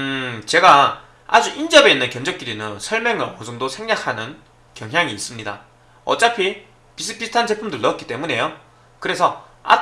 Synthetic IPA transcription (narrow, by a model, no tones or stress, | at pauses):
ɯt͡ɕe̞ɡa | ad͡ʑuʔind͡ʑʌbe̞inːɯnkjʌŋd͡ʑʌk͈iɾinɯnsʰʌɭmjʌŋɯɭmʌsʌŋdosʰe̞ŋd͡ʑakʰanɯn | kjʌŋɦjaŋiːs͈ɯmɲida̰ | ʌ̰t͡ɕ͈apʰi | pisʰɯpisʰtʰand͡ʑe̞pʰumdɯɭtʌk͈i̥t͈e̞mune̞jo | kɯɾe̞sʰʌa̰